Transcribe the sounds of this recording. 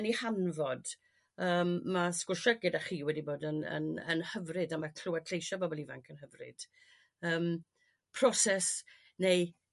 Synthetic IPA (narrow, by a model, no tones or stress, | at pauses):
nihanvɔd | əːmmaskʊrʃəɡɪdaχiːwɛdiboːdənə̰nə̰nhəvrɪdamakʰl̥ʊwḁtʰejʃɔbɔbɔlˠiva̰ŋkʰənɦəvrɪ̰d̥ | əːm | pʰrɔsɛs | nej